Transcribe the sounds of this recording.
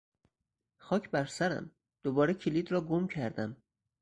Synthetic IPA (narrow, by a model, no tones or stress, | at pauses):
xɒːcʰbæɾsæɾæ̰m | d̪̥obɒːɾecʰeliːd̪ɾɒːɡomcʰæɾd̪æm